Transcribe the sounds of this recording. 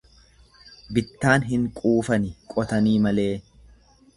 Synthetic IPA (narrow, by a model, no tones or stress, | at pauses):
bɪt̪ːaːnɦɪŋkʼuːfɐnɪkʼɔt̪ɐniːmɐle̞ː